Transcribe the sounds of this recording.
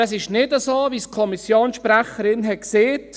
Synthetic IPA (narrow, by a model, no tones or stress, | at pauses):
ɛsɪʃnɪdəsoːviskʰɔmisjoːnsʃpɾæχəɾɪnɦɛt̚kseːt